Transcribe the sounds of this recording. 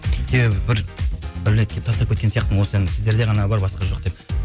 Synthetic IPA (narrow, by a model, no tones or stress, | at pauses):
se̞be̞bɪbɪɾbɪɾɪnet̪kʲʰept̪ʰɑst̪ɑpkʰʲet̪̚kenijɑqt̪ənwosəensɪzd̪e̞ɾd̪e̞ʁɑnɑbɑɾbɑsqɑʒo̞q̚d̪e̞p̚